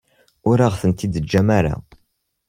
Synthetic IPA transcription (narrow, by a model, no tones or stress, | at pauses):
ʊɾaʁθənt̪id̪əd͡ʒːæmaɾa̰